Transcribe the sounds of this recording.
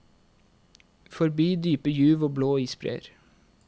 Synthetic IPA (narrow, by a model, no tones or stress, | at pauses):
fɔɾbiːd̪yːpəjʉːʋoːbloːiːspɾḛːɾ